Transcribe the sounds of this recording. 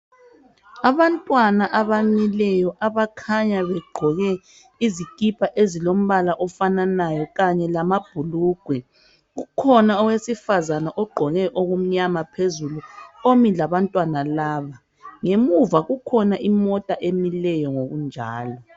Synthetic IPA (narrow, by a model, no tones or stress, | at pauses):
aβantʼwanaʔaβamilɛjɔʔaβakʰaɲaβɛɡ͡ǃʱɔɣɛ | izikʼipʰaʔezilom̩βalaʔɔfananajɔɣaɲɛlamab̥ʱuluːɡ̥ʱwɛ | ɣukʰɔnaɔwesifazanaʔɔɡ͡ǃʱɔɣɛʔoɣum̩ɲamapʰezuluomilaβantʼwanalaːβa | ŋemuvaɣukʰɔnaʔimɔtʼaʔemilɛjɔŋoɣund͡ʒʱaːlɔ